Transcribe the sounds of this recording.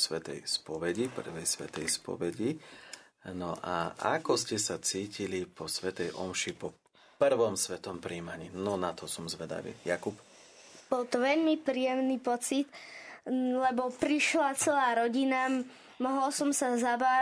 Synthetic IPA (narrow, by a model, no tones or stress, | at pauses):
sʋɛt̪ɛ̰jspɔʋɛɟipr̩ʋɛjsʋɛ̰t̪ɛjspɔ̰ʋɛɟi | nɔʔa̰a̰kɔscɛsat͡siːcilipɔsʋɛt̪ɛjʔɔmʃipɔ | pr̩ʋɔmsʋɛt̪ɔmpɾiːmaɲiːnɔnat̪ʰɔsɔmzʋɛd̪a̰ʋḭːjakup | b̥ɔlt̪ɔʋɛʎmipɾiːjɛmniːpɔt͡sit̪ | lɛbɔpɾiʃlat͡sɛlaːɾɔɟina | mɔɦɔlsɔmsazabaː